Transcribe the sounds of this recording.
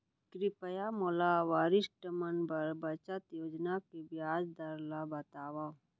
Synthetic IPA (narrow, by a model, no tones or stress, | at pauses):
kɾɪpəjamolaʋaːɾɪsʈəmənbbɐt͡ʃət̪joːd͡ʒnakebjaːd͡ʒd̪aɾlabɐt̪aːwa